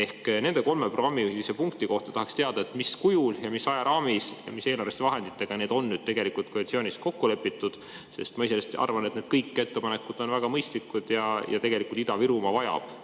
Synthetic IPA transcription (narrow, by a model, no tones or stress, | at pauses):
e̞hkne̞nd̪e̞ko̞lmeproɡ̥ɑmːiuisepuŋkt̪iko̞ht̪ɑt̪ɑhɑkst̪e̞ɑd̪ɑe̞t̪miskujuljɑmisːɑjɑɾʔɑːmisjɑ̰mise̞ːlɑɾrvest̪evɑɦe̞nd̪it̪ːˑe̞ɡ̥ɑneːd̪o̞nːyːd̪̚t̪e̞ɡ̥e̞likult̪̚kolit̪sio̞ːnʲisko̞kːule̞pːˑit̪ːˑud̪̥ | se̞̰st̪mɑiselest̪ɑ̰rvɑne̞t̪ne̞d̪̥̚kɤjkːˑe̞t̪ːe̞pɑne̞kud̪̥o̞nvæɡ̥ɑmɤjst̪likːˑud̪̥jɑjɑ̰t̪e̞ɡ̥e̞likult̪id̪ɑviɾumɑvɑjɑ̰b̥